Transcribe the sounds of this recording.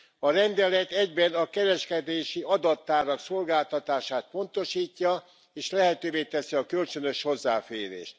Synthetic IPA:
ɒɾɛnd̪ɛlɛt̪ɛɟbɛnɒkɛɾɛʃkɛd̪eːʃiɒd̪ɒt̪ːaːɾɒkso̞lɡaːlt̪ɒt̪aːʃaːt̪̚po̞nt̪o̞ʃiːcːɒ | eːʃlɛɦɛt̪øːveːt̪ɛsiɒkø̞lt͡ʃø̞nø̞ʃho̞zːaːfeːɾḛːʃt̪

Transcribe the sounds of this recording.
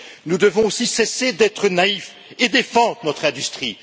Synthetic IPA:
nud̪əvɔ̃osisesed̪ɛt̪χənaif | ed̪efɑ̃d̪ʁənɔt̪χɛ̃d̪yst̪χi

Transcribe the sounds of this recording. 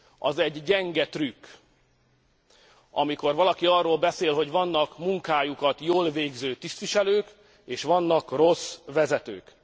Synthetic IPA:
ɒ̰zɛɟːɛŋɡɛt̪rykː | ʔɒ̰miko̞rvɒlɒkiɒrːoːlbɛseːlɦo̞ɟvɒnːɒkmuŋkaːjukɒt̪joːlveːɡzøːt̪ist̪ʋiʃɛløːk | eːʃʋɒnːɒkro̞svɛzɛt̪ø̰ːk

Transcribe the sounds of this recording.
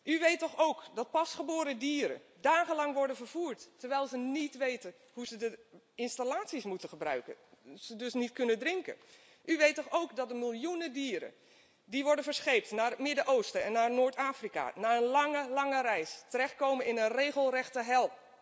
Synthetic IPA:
ʔyʋejtɔxowkdɔt̚pɑsχəboːɾədiːɾə̰daːɣənlɑŋʋɔɹdənvəɹv̥uːɹtːəɹʋɛjlˠzənitʋejtə | huzədə | ɪnstalaːtsismutənχəbrœ̰ɥkəz̥ədɵsnitkɵnəndrɪŋkə̰ | ʔyʋejtɔxowkdɔt̚dəmɪlˠjunədiːɾə̰ | diʋɔɹdənvəɹsχejp̚tnaːɹmɪdəʔowstəɛnːaːrnoːɹtaːfrika̰naːənlɑŋəlɑŋərɛjstərɛxt̚kowmənɪnənrejɣəlˠrɛxtəɦɛlˠ

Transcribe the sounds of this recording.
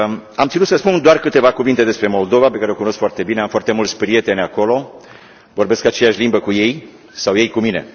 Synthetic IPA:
amt̪sinut̪səspund̪oarkɨt̪e̞vakuvint̪e̞d̪e̞spɾe̞mo̞ld̪o̞vapekaɾeokuno̞skfoart̪e̞bine̞amfoart̪e̞mult̪sʲpɾije̞t̪e̞nʲako̞lo̞ | vo̞rbe̞skat͡ʃe̞jaʃʲlimbəkuje̞j | sawje̞jkumine̞̰

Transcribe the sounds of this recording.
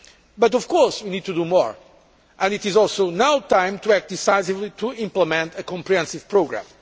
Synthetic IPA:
bʌtɔv̥kɔɹswinid̚tudumɔ̰ɹ | ʔɨ̃nitizɔlˠsoʊnawt̪ãɪ̃mt̪uæk̚t̚d̪isaɪjsivlit̪ʰuĩmpləmɛ̃nt̪ɨkɔ̃mpɾiɛ̃nsiv̥pɹoɡɾã̰m

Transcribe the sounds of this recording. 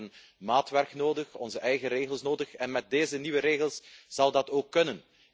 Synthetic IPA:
ən | maːtʋɛrknoːdəxɔnzəʔɛjɣəɾeːɣəlˠsnoːdəxɛnmɛt̚deːzəniwəɾeːɣəlˠsz̥ɑlˠdɑtoːkːɵnən

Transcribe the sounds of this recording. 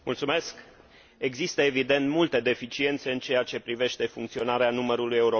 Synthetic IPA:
mult̪sume̞sk | e̞ɡzist̪əe̞vid̪e̞nt̪mult̪e̞d̪e̞fit͡ʃie̞nt̪se̞ɨnt͡ʃe̞at͡ʃe̞pɾive̞ʃt̪e̞fuŋkt̪sio̞naɾeanuməɾuluje̞uɾo

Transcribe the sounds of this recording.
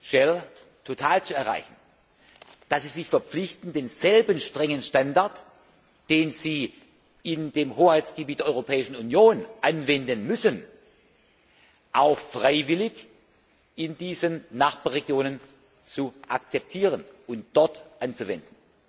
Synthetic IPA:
ʃɛl | tʰotʰaːlt͡suɛɐʁa̰ɪçn̩ | d̥asz̥iːzɪçfɛɐp͡flɪçtn̩deːnz̥ɛlbənʃtʁ̥ɛŋənʃtandaɐt | d̥eːnziː | ɪndeːmhoːhaɪtt͡sɡ̥əbiːt̚d̥eːɐʔɔʁopʰɛːɪʃn̩unjoːnʔanvɛndənmʏsən | ʔaʊxfʁ̥aɪvɪlɪç | ʔɪndiːzənːaχb̥aːɐʁeɡjoːnən | t͡suʔak̚t͡sɛp̚tʰiːʁənʊnt̚d̥ɔɐtʔant͡suvɛ̰ndn̩

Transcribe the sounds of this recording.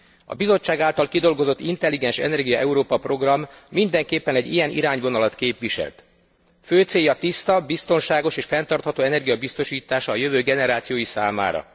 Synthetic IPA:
ɒ̰bizo̞t͡ʃːaːɡaːlt̪ɒlkid̪o̞lɡo̞zo̞t̪ːint̪ɛlːiɡɛnʃɛ̰nɛrɡijɒʔɛuɾoːpɒpro̞ɡrɒmːind̪ɛŋkeːpːɛnɛɟːḭjɛnʔḭɾaːɲvo̞nɒlɒt̪keːpʋiʃɛ̰lt̪ | føːt̪seːjːɒt̪ist̪ɒbist̪o̞nʃaːɡo̞ʃeːʃfɛnt̪ɒrt̪hɒt̪oːɛnɛrɡijɒbist̪o̞ʃiːt̪aːʃɒːjøvøːɡɛnɛɾaːt̪sijoːjisaːma̰ːɾɒ̰

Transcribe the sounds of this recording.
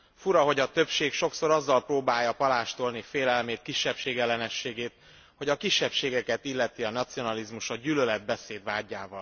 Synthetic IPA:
fuɾɒɦo̞ɟɒt̪ø̞pʃeːkʃo̞kso̞ɾɒzːɒlproːbaːjːɒpɒlaːʃt̪o̞lnifeːlɛlmeːt̪̚kiʃːɛpʃeːɡɛlːɛnɛʃːeːɡeːt̪ | ho̞ɟɒkiʃːɛpʃeːɡɛkɛt̪ilːɛt̪iɒnɒt̪sio̞nɒlizmuʃɒɟylølɛd̪̚bɛseːd̪vaːɟːaːvɒl

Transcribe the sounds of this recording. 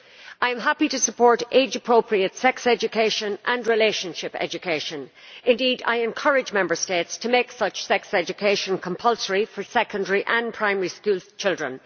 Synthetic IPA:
aɪə̃mɦapiɾəsəpʰɔɹɾʔeɪd͡ʒəpʰɹ̥oʊpʰɹiətsɛksɛd͡ʒɨkʰeɪʃə̃nʔə̃nɹɪleɪʃə̃nʃɪpɛ̰d͡ʒɨkʰeɪʃə̃nɪ̃ndiːda̰ɪɨ̃nkʰʌɹɪd͡ʒmɛ̃mbə˞steɪtstʰəmeɪksʌt͡ʃsɛksɛd͡ʒɨkʰeɪʃə̃nkʰə̃mpʰʌlˠsəɹifə˞sɛkə̃ndəɹiʔə̃npʰɹ̥ãɪ̃mɛɹiskuːlˠz̥t͡ʃʰɪlˠdɹə̃n

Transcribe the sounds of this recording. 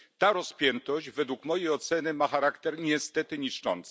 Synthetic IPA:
t̪aɾɔspʲjɛnt̪ɔʑd͡ʑvɛd̪wukmɔjejɔt̪sɛnɘmaxaɾakt̪ɛɾɲɛst̪ɛt̪ɘɲiʂt͡ʂɔ̰nt̪s

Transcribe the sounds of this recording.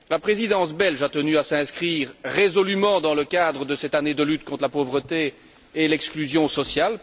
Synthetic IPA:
lapχezid̪ɑ̃sbɛlʒat̪ənyasɛ̃skχiːʁʁezɔlymɑ̃d̪ɑ̃ləkʲad̪ʁəd̪əsɛt̪aned̪əlyt̪kɔ̃t̪χlapovʁət̪eː | lɛksklyzjɔ̃sɔsjal

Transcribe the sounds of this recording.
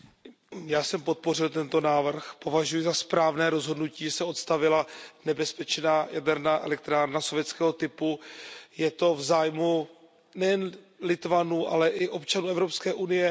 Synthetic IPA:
jaːsɛmpo̞t̪̚po̞rɪlt̪ɛnt̪o̞naːvr̩xpo̞vaʒujɪzaspɾaːvnɛːɾo̞zɦo̞dnuciːʒɛsɛo̞t̪st̪avɪlanɛbɛspɛt͡ʃnaːjadɛɾnaːʔɛ̰lɛk̚t̪ɾaːɾnasovjɛt̪t͡skɛːɦo̞t̪ɪpujɛt̪o̞vzaːjmu | nɛjɛn | lɪt̪vanuːʔa̰lɛʔɪʔo̞pt͡ʃanuːʔɛvɾo̞pskɛːʔunɪjɛ

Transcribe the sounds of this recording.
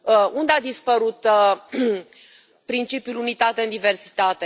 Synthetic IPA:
und̪ead̪ispəɾut̪ | pɾint͡ʃipjulunit̪at̪e̞ɨnd̪ive̞rsi̥t̪at̪e̞

